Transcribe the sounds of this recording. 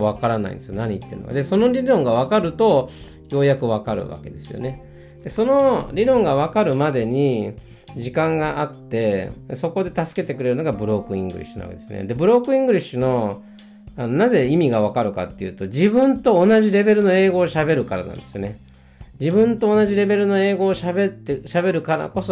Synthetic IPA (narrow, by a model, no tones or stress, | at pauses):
βakaɾana̰ḭnd̪esɨjonaɲ̟it̪ːeɯno̰ka̰d̪e̞so̞no̞ɾʲiɾõ̞ŋɡaβ̞akaɾɯ̟t̪o̞ | jo̞ːjakɯ̟βakaɾɯ̟̰βa̰ke̞d̪e̞sɨjo̰ne̞ | d̪̥e̞so̞no̞ɾʲiɾõ̞ŋɡaβ̞akaɾɯ̟mad̪e̞ɲ̟i | d͡ʑikãŋɡaʔat̪ːe̞so̞ko̞d̪e̞t̪asɨ̥ke̞t̪e̞kɯɾe̞ɾɯnoɡabɯ̟ɾo̞ːkɯ̟ḭ̃ŋɡɯ̟ɾʲʔḭɕɨno̰a̰ked̪eɨjo̰nḛd̪e̞bɯ̟ɾo̞kɯ̟ĩŋɡɯ̟ɾʲiɕɨno̞ | ano̞naze̞imʲiɡaβakaɾɯ̟ka̰t̪ːe̞jɯ̟ːt̪o̞d͡ʑibɯ̟̃nt̪o̞ːnaʑiɾe̞be̞ɾɯ̟no̞e̞ːɡo̞ːɕabe̞ɾɯ̟kaɾanã̰nd̪e̞sɨjone | d͡ʑibɯ̟̃nt̪o̞ːnaʑiɾe̞be̞ɾɯ̟no̞e̞ːɡo̞ːɕabe̞t̪ːeɕabe̞ɾɯ̟kaɾa̰ko̞so